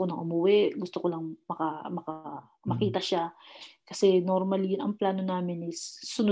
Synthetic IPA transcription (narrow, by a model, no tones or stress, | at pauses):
onɐŋʔʊmʊwɛɡʊst̪okolɐŋmɐkɐmɐka | mɐkiːt̪ɐʃakɐsɛnoɾmɐljʊnɐŋplaːno̞naːmɪnɪsːʊnʊ